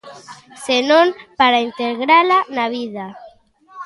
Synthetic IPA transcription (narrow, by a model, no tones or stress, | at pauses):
senõmpaɾaint̪eɣɾalanaβ̞ið̞a